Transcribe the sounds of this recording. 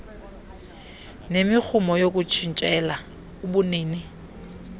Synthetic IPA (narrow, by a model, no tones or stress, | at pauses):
nemɪk͡xʰʊmɔjok̬ʼut͡ʃʰin̩t͡ʃʼɛla | ubʊneːnɪ